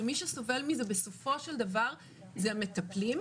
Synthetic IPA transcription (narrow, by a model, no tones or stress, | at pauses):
emiʃeso̞ve̞lmizebeso̞fo̞ʃeld̪avaʁ | zeamet̪ɐplim